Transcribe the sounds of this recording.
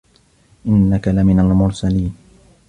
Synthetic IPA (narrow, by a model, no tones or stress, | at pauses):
ʔɪnːakalamɪnalmʊɾsaliːn